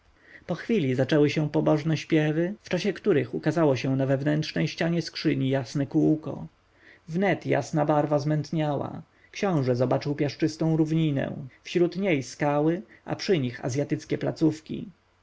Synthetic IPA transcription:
pɔxfʲilʲizat͡ʂɛwɘɕɛpɔbɔʐnɛɕpʲjɛvɘft͡ʂaɕɛkt̪uɾɘxukazawɔɕɛ̃navɛvnɛntʂnɛjɕt͡ɕaɲɛskʂɘɲijasnɛkuwkɔ̰ | vnɛt̪ja̰snabaɾvazmɛnt̪ɲawa̰ | kɕɔ̃w̃ʐɛzɔbat͡ʂɘwpʲjaʂt͡ʂɘst̪ɔ̃w̃ɾuvɲinɛ̰̃fɕɾut̪ɲejskawɘʔa̰pʂɘɲixa̰zʲjat̪ɘt̪skʲɛplat̪sufkʲḭ

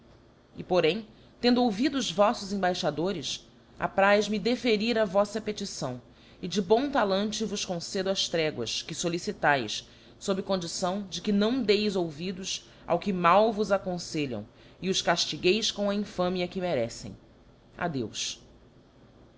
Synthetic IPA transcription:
ɪpoɾẽj̃ | t̪ẽnd̪ʊowvid̪ʊːzvɔsʊzẽbajʃad̪oɾɪs | a̰pɾajzmid̪efeɾiɾɐvɔsɐpet͡ʃisɐ̃w̃ | ɪd͡ʒɪbõw̃t̪alɐ̃nt͡ʃɪvʊʃkõsed̪ʊɐst̪ɾɛɡwɐ̰skɪsolisit̪ajs | sobɾɪkõnd͡ʒisɐ̃w̃d͡ʒɪkɪnɐ̃w̃d̪ejzowvid̪ʊs | a̰wkɪmawvʊzakõseʎɐ̰̃w̃ | ɪʊskaʃt͡ʃiɡejskõw̃ɐĩfɐ̃miɐkɪmeɾɛsḛ̃j̃ | a̰d̪ews

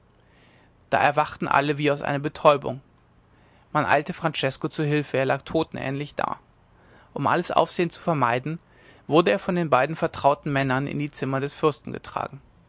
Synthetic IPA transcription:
d̥a̰ːʔɛɐvaχtn̩ʔa̰ləviːaʊsʔa̰ɪnɐbətʰɔʏbʊ̰ŋ | manʔa̰ɪltəfʁ̥ant͡ʃɛskot͡suːɦɪlfəeːɐlaːk̚tʰoːtn̩ʔɛ̰ːnlɪçd̥a̰ː | ʔʊmʔa̰ləsʔa̰ʊfz̥eːənt͡su̥fɛɐmaɪdn̩ | v̥ʊɐdəeːɐfɔndeːnbaɪdn̩fɛɐtʁ̥aʊtn̩mɛnɐnɪ̰ndiːt͡sɪmɐdɛsfʏɐstn̩ɡə̰tʁ̥a̰ːɡŋ̩

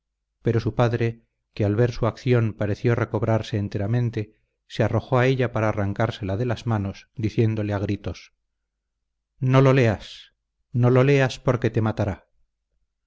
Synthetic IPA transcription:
pe̞ɾo̞supaðɾe̞ | kealβe̞ɾsuakθjo̞mpaɾe̞θjo̞re̞ko̞βɾaɾse̞ːnt̪e̞ɾamẽ̞nt̪e̞ | searo̞xo̞ae̞ʎapaɾaːraŋkaɾse̞laðe̞lazmano̞sd̪iθje̞nd̪o̞leaɣ̞ɾit̪o̞s | no̞lo̞leas | no̞lo̞le̞aspo̞ɾke̞t̪emat̪aɾa

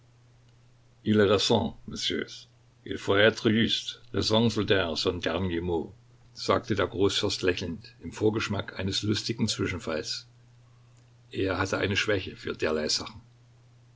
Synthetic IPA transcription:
ʔiləʁɛsɑ̃məsjø̰ːs | ʔɪ̰lfɔɛtʁiystʁɛzɑ̃ŋzʊldɛʁsɔndɛɐnjemoː | z̥a̰ːk̚tədeːɐɡʁoːsfɛɐstlɛçl̩ntɪmfoːɐɡəʃmakʔa̰ɪnəslʊstɪɡŋ̩t͡sv̥ɪʃn̩fals | ʔeːɐɦatəʔa̰ɪnəʃv̥ɛçəfyːɐdeːɐlaɪz̥aχn̩

